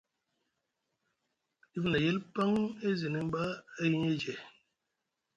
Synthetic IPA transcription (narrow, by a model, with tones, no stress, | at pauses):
i˦vi˦na˨je˦lpa˦ŋe˦zi˨ni˨m˦ba˦e˦ji˦ɲe˦d͡ʒe˨